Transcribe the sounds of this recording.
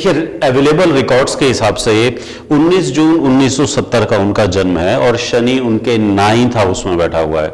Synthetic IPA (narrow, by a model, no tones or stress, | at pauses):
d̪kʰieɛːʋeːleːbəlɾɪkɔːɾɖskeɦɪsaːbse | ʊnːiːsd͡ʒuːnʊnːiːsːɔsɐt̪ːəɾkaʊnkad͡ʒɐnmɦɛɔːɾʃɐniʊnkenaːɪ̃nt̪ʰaʊsmẽbɛːʈʰaɦṵa̰ɦɛ̰ː